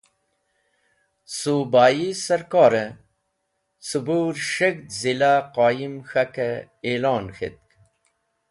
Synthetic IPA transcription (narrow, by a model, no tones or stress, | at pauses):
subaːjisɐɾkɑːɾə | subuːɾʂek̚d̪zilaqaːjimxɐke | elɑːnxḛt̪̚k